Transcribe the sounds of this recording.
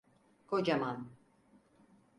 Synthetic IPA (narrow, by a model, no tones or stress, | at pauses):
kod͡ʒaman